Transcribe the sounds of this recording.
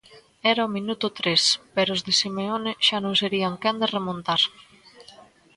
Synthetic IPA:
ɛɾaominut̪ʊt̪ɾespeɾoʊzðesimeoneʃanõŋseɾiaŋkand̪eremõnt̪aɾ

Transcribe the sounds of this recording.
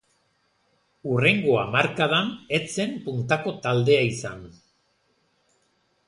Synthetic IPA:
ure̞ŋɡo̞amaɾkaðane̞t͡se̞mpunt̪ako̞t̪ald̪e̞aisan

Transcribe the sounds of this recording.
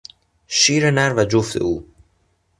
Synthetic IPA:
ʃiːɾenæɾvæd͡ʒoft̪ʰe̞̰uː

